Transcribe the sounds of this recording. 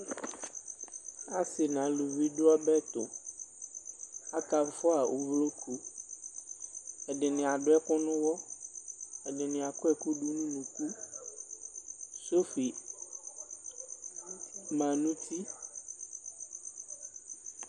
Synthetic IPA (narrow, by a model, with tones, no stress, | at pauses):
a˦sɪ˨nã˨lu˨vi˦ɖʊ˦ɔ˦bɛ˦t̪ʊ˨ | a˦ka˨m˦fʊ˦a˨ʔo˨vlo˦kʰu˦ | ɛ˨ɖɪ˨nɪ̃˨a˨ɖʊ˦ɛ˦kʊ˦nʊ̃˦wɔ˦ | ɛ˨ɖɪ˨nɪ̃˨a˨kʊ˦ɛ˦˨ku˦ɖu˦nũ˦mũ˨ku˦ | so˦fi˨ | mã˨nũ˦t̪ʰi˦